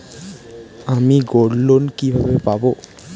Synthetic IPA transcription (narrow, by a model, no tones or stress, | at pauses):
amiɡɔɽlonkibʱabepabɔ